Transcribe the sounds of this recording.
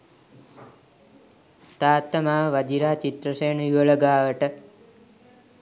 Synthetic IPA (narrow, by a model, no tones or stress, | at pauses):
t̪aːt̪ːəmaːʋad͡ʒ̪iɾaːt͡ʃit̪ɾəseːnəjuʋələɡaːaʋəʈə